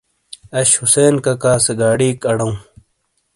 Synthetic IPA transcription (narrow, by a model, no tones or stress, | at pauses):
ɐɕhuseːnkɐkaːseɡaːɽiːkɐɽɐũ